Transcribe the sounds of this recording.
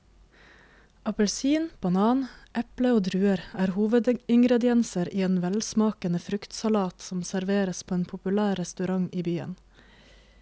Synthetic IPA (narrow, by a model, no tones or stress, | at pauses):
ʔɑpəlsiːnb̥ɑnɑːnʔɛpləoːd̪ɾʉːəɾæːɾhuːʋəd̪ɪŋɡɾɛd̪ɪɛnsəɾiːeːnʋɛlsmɑːkənəfɾʉkt̪sɑlɑːt̪sɔmsæɾʋeːɾəspʰoːeːnpʰʊpʉlæːɾɛst̪ʉɾɑŋiːbyːə̰n